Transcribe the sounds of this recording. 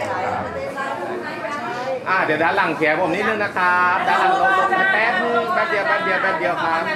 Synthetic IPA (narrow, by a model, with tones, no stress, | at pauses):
kʰa˦p̚ː | t͡ɕʰa˧˩ | ʔaː˧˩d̪i˨˩˦wdaː˧˩nla˨˩˦ŋk̪ʰi˨˩˦pʰo˨˩˦mn˦˥t̪̚nɯ˧˥na˦˥kʰa˦˥p̚daː˧nlo˧˥˧pɛː˦˥k̚mɯ˧bɛː˧˩k̚di˧əwbɛː˧˥p̚di˧˩ɐwbɛː˧˩k̚di˧əwkʰa˦˥p̚